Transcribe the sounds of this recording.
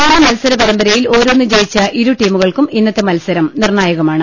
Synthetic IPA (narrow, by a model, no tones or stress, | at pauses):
namɐlɐsɐɾɐpɐɾɐmbɐɾɐjilo̞ːɾoːnːɨt͡ɕe̞jit͡ɕːɐʔiɾuʈiːmuɣɐɭkuminːɐt̪ːemɐlɐsɐɾɐmnirnaːjɐɣɐmaːɳɨ